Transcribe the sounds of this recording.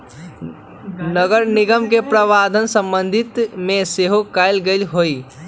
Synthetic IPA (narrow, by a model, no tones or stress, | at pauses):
nəɡəɾniɡəmkepɾəʋad̪ʱənsəmbənd̪ʱit̪meseɦokaɪlɡəɪlɦoi